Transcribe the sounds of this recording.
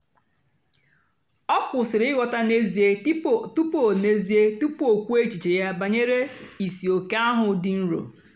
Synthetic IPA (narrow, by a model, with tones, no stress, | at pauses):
ɔ˦kʷʊ˨sɪ˨ɾɪ˦ɪ˦ɣɔ˨ta˦ne˦zi˨e˦tu˦po˨ne˦zi˦e˦tu˦po˨kʷu˦e˦t͡ʃi˨t͡ʃe˨ja˦ba˨ɲe˦ɾe˦i˨si˨o˨ke˦a˦ɦʊ˨dɪ˨n̩˦ɾo̰˨